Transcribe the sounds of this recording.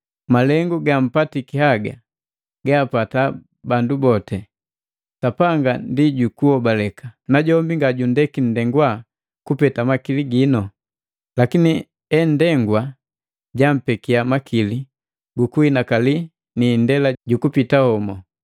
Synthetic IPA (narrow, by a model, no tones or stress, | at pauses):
malɛŋɡuɡam̩patikihaɡa̰ | ɡaːpata | bandubɔtɛ | sapaŋɡandiɟukuhɔbalɛkanaɟɔmbiŋɡaɟundɛkin̩dɛŋɡwa | kupɛtamakiliɡinɔ | lakini | ɛndɛŋɡwa | ɟam̩pɛkiamakʰili | ɡukuhinakali | niːndɛlaɟukupitahɔmɔ